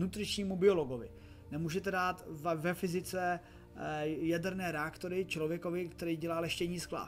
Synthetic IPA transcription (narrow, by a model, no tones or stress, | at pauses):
nut̪rɪʃɲiːmubɪo̞lo̞ɡo̞vɪ̰ | nɛmuːʒɛt̪ɛdaːt̪vvɛfɪzɪt͡sɛ | jadɛɾnɛːɾɛakt̪oɾɪt͡ʃlovjɛkovɪkt̪ɛɾiːɟɛlaːlɛʃcɛɲiːskla̰